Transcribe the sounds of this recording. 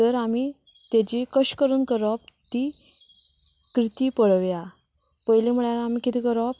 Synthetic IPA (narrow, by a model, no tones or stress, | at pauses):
t̪əɾami | t̪jad͡ʑikəɕkəɾuːnkəɾɔp̚t̪iː | kɾit̪iːpəɭəʋja | pəjlim̤uɭjalamiːkit̪iːkəɾɔp̚